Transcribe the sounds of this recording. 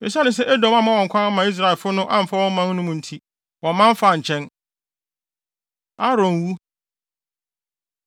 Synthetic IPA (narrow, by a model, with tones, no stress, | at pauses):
ɪ˨sa˦nʊ̃˦s̬ɛ˦ʔe˦dɔ̃˨mã˦mã˦wɔ̃˨ŋ˨kʷʰã˦n˦mã˨i˦s̬ɾa˨ɪ˨lfʊ˦nʊ̃˦ʔã˦m̩˨fa˦wɔ̃˦m˦mã˦n˦nʊ̃˦mʊ̃˨n̩˦tʰi˦ | wɔ̃˨mːã˦ɱ˦fa˨ɲ̩˨t͡ɕʰɛ̃˦n | a˦ɾɔ̃˨n˨wu˦